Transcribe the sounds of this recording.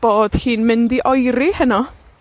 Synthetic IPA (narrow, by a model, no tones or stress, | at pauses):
b̥oːd̥hiːnmɪndiʔɔjɾihənɔ